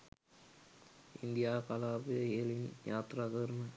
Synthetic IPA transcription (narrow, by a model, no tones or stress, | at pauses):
ind̪ijaːkɐlaːbɨeːlinjaːt̪raːk̪ɐɾmɐ